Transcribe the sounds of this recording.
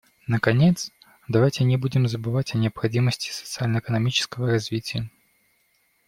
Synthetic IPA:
nəkɐnʲet̪s | d̪ɐvajtʲɪnʲɪbudʲɪmzəbɨvatʲɐnʲɪɐpxɐdʲiməsʲtʲɪ̥sət̪sɨalʲnəɪkənɐmʲit͡ɕɪ̥skəvəɾɐzʲvʲitʲɪjə

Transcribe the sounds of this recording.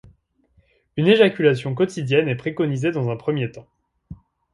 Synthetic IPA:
yneʒakʲylasjɔ̃k̬ɔt̪id̪jɛnɛpχekɔnized̪ɑ̃zɛ̃pχəmjet̪ɑ̃

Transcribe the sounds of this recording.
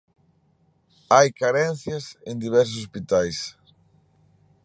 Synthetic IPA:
ajkaɾɛ̃n̟θjɐsend̪iβ̞ɛɾs̬ʊs̬ospit̪ajs

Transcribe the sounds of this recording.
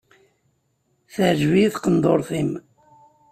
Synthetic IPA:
θəʕʒviθqənd̪ˤoɾˤθim

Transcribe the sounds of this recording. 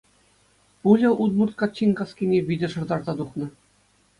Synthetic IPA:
pulʲɘ̆ʔut̪murt̪̚kɑt͡ɕːinʲkɑskʲinʲeʋʲidʲɘ̆ʂɤ̆rd̪ɑrzɑd̪uχnɤ̆

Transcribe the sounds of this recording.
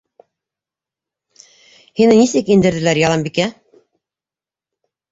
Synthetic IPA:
hinɘnisɘkind̪ɘ̆ɾðɘ̆læɾjɑlˠɑmbikæ

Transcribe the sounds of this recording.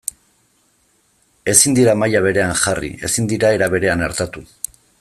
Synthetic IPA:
e̞sind̪iɾamajaβ̞e̞ɾe̞anʝarḭe̞̰sind̪iɾae̞ɾaβe̞ɾe̞anaɾt̪at̪u

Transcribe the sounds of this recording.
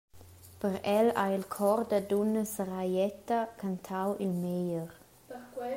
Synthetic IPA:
pəɾɛla̰jilkʰɔɾd̪ədunəsəɾajɛt̪akʰant̪ʰawʔilmejəɾ

